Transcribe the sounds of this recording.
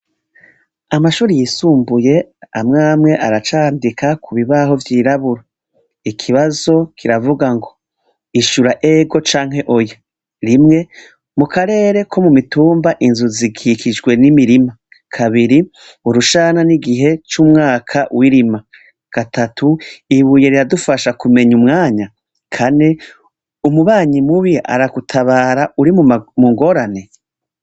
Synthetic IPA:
amaʃuːɾijisuːmbuje̞amŋaːmŋe̞ʔaɾat͡ʃaːndikʰakuβiβaɦo̞vjiːɾaβuɾa | ikʰiβazo̞kʰiɾavuɡaŋɡo̞ | iʃuɾaʔeɡo̞t͡ʃaːŋ̥he̞ʔoja | ɾimŋe̞ | mukaɾe̞ːɾe̞kʰo̞mumituːmbaʔinzuziɡikʰid͡ʒɡwe̞nimiɾima | kʰaβiɾi | uɾuʃaːnaniɡiɦe̞t͡ʃumŋaːkʰawiɾima | ɡ̥atʰatʰuiβuje̞ɾiɾadufaʃakume̞ɲumŋaːɲa | kʰane̞ | umuβaːɲimuβia̰ɾaɡ̥utʰaβaːɾauɾimumuŋɡo̞ɾane̞

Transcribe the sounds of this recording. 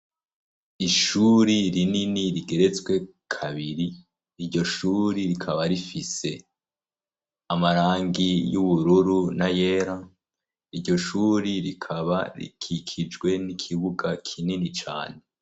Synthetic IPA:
iʃuːɾiɾininiɾiɡe̞ɾe̞t͡sɡwe̞ | kʰaβiɾiː | ɾɟo̞ʃuːɾiɾikʰaβaɾifise̞ | amaɾaːŋɡijuβuɾuɾunaje̞ːɾa | iɾɟo̞ʃuːɾiɾikʰaβa̰ɾḭkʰikʰid͡ʒɡwe̞nikʰiβuɡakʰininit͡ʃa̰ːne̞

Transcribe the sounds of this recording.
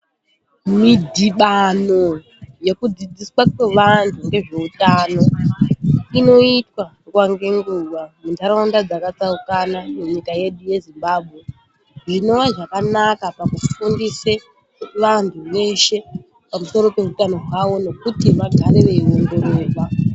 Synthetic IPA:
midʱiɓano̞ | je̞kud͡zid͡ziswakwe̞ʋantʰuŋɡe̞ʐe̞utano̞ | ino̞itwa | kwaŋɡe̞ŋɡuːʋamuntaɾaundad͡zakat͡saukanamuɲikaje̞ɗuje̞zimbaːbʱɣe̞ | ʐino̞ʋaʐakanakapakufundise | ʋantʰuʋe̞ʃe̞ | pamuso̞ɾo̞pe̞utano̞ɦwawo̞no̞kutimaɡʱaɾeʋeio̞ndo̞ɾeːa

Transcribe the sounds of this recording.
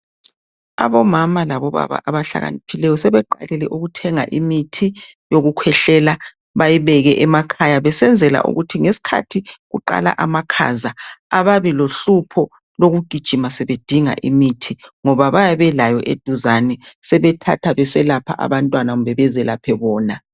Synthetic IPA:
a̰βɔmamalaβɔβa̰βa̰ʔaβaɬa̰ɣa̰nipʰilɛjɔsɛβɛǃa̰lɛlɛʔuɣutʰɛŋaʔimitʰi | joɣukʰwɛɬɛla | βajiβɛɣɛʔɛmakʰajaβɛsɛnd͡zʱɛla̰ʔṵɣutʰiŋesi̥kʰa̰tʰiɣuǃa̰la̰ʔamakʰa̰zaaβaβiloɬupʰɔ | loɣuɡ̥ʱid̥ʒ̥ʱimasɛβed̥ʱiŋa̰ʔimitʰiŋɔβaβajaβɛlajɔʔḛd̥ʱuzanɛsɛβɛtʰa̰tʰaβɛsɛlapʰa̰ʔa̰βantʼwanaɣumbɛβɛzɛlapʰɛβɔːna

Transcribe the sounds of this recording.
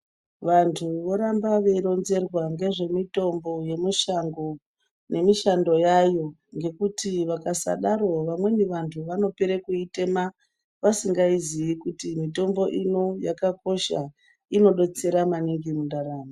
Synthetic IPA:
ʋantʰuʋo̞ɾambaʋe̞ɾo̞nze̞rwaŋɡe̞ʐe̞mito̞mbo̞je̞miʃaŋɡo̞ | ne̞miʃando̞jajo̞ | ŋɡe̞kutiʋakasa̰ɗaɾo̞ʋamwe̞niʋantʰuʋano̞peɾekuite̞ma | ʋasiŋɡaiziikutimito̞mbo̞ʔino̞jakako̞ʃa̰ | ino̞ɗo̞t͡se̞ɾamaniŋɡimundaɾaːmo

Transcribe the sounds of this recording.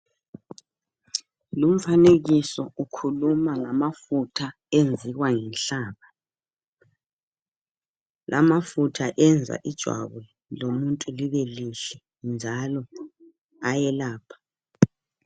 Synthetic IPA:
lum̩faneɣisɔukʰulumaŋamafutʰa | end͡zʱiɣwaŋɛnɬaːβa | lamafutʰaʔɛnd͡zʱa̰ʔid̥ʒ̥ʱwa̰βu | lomuntʼuliβɛliɬɛ | nd͡ʒʱalɔ | ajɛlaːpʰḁ

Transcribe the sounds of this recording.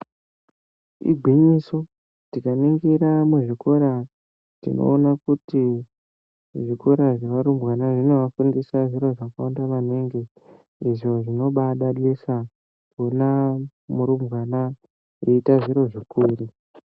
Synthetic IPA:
ḭɡʱwiɲiso | tikaneŋɡeɾamuʐiko̞ɾa | tḭno̞̰ːnakuti | ʐiko̞ɾaʐeʋaɾumwanaʐino̞ʋafundisaʐiɾo̞ʐakaondaʋaneŋɡe̞ | iʐo̞ʐino̞ɓaɗaɗisa | kona | muɾumbɣana | eitaʐiɾo̞ʐikuːri

